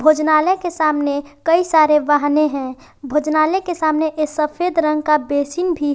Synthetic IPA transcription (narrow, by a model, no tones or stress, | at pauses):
bʱoːd͡ʒnaːlɛkesaːmnekəisaːɾeʋaɦneɦɛ̃ː | bʱoːd͡ʒnaːlɛkesaːmneʔesəpʰeːd̪ɾə̃ŋɡ̚kabeːsinbʱi